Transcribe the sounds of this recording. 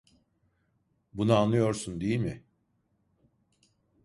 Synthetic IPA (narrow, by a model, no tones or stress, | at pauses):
bunaaːnːɯjo̞ɾsund̪ejilʲmɪ